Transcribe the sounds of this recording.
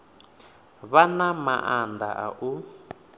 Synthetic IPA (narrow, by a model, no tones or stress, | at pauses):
βanama̰ʔanda̰ʔaʔu